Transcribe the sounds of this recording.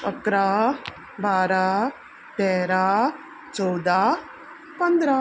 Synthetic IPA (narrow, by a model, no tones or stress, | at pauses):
ɐkɾaː | baːɾaː | ʈ̪ɛːɾaː | t͡ʃɔwd̪aː | pɐnd̪ɾa